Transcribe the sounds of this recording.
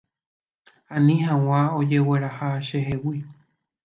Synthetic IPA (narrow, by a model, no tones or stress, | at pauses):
ãnĩhãw̃ãod͡ʒe̞we̞ɾahaʃeɦewi